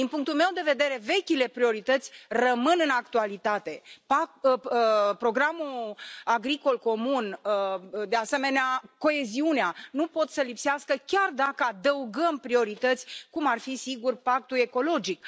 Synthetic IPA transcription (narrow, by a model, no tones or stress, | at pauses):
d̪inpuŋk̚t̪ulme̞wd̪e̞ve̞d̪e̞ɾe̞ve̞kʲile̞pɾio̞ɾit̪ət̪sʲrəmɨnɨnakt̪ualit̪at̪e̞pa | pɾo̞ɡɾamuaɡɾiko̞lko̞munəd̪e̞ase̞me̞neako̞e̞ziuneanupo̞t̪səlipseaskəkʲard̪akəad̪əuɡəmpɾio̞ɾit̪ət̪sʲkumarfisiɡurpak̚t̪ue̞ko̞lo̞d͡ʒik